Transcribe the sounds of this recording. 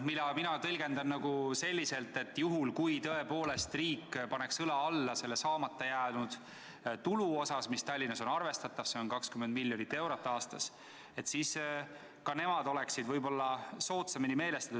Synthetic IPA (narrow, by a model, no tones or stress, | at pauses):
milɑminɑt̪ɤlʲɡ̥e̞nd̪ɑnnɑɡuse̞lʲːise̞lt̪ːe̞t̪ːjuɦulkujt̪ɤe̞po̞ːle̞st̪riːkːpɑne̞ksɤlɑɑlːɑse̞lːesɑːmɑt̪ːˑejæːnud̪̥ | t̪uluo̞sɑsmist̪ɑlʲːinːɑso̞nɑrve̞st̪ɑt̪ːˑɑv̥se̞o̞nkɑkskymːend̪milʲjo̞nit̪ːe̞wɾot̪ˑːɑːst̪ɑs | et̪ːsiːs | kɑne̞mɑd̪o̞le̞ksid̪vɤjbo̞lːɑso̞ːt̪sɑminime̞ːle̞st̪ɑ̥t̪u̥